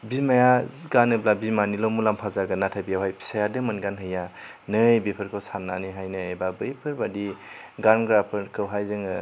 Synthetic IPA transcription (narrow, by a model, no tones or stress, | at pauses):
bimajaɡanɯblabimanilɔmulampʰazaɡɯnatʰajbijawɦajpʰi̥sajadɯmɯnɡanɦɯja | nɯjbipʰɯɾkʰɯwsanːa̰niɦajnɯebabɯjpʰɯɾbadiɡanɡɾapʰɯɾkʰɯwɦajzɯŋɯ